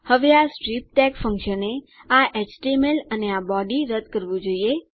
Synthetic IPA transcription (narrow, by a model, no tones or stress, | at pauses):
həʋeasʈɾip̚ʈɛkfə̃ŋkʃəne | aʔet͡ʃʈemeləneabɔɖiɾəd̪kəɾʋũd͡ʒoie